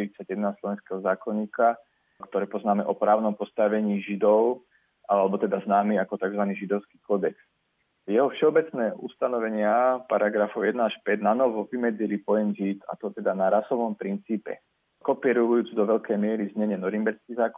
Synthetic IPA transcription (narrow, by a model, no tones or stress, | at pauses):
ɾit͡saɟjɛd̪naslɔʋɛnskɛːɦɔzaːkɔɲːiːka | kt̪ɔɾɛːpɔznaːmɛʔɔpɾaːʊnɔmpɔst̪aʋɛɲiːʒid̪ɔʊ | ʔalɛbɔt̪ɛd̪aznaːmiːakɔt̪aɡzʋaniːʒid̪ɔʊski̥ːkɔd̪ɛks | jɛɦɔfʃɛɔbɛt͡snɛːʔṵst̪anɔʋɛɲɪapaɾaɡɾafɔʊjɛd̪naaʃpɛdnanɔʋɔʋimɛd͡zilipɔjɛnzit̪a̰t̪ɔt̪ɛd̪anaɾasɔʋɔmpɾint͡siːpɛ̰ | kɔpiɛɾuujuːt͡sud̪ɔʋɛʎkɛjmɪɛɾizɲɛɲɛnɔɾimbɛɾskizaːkɔ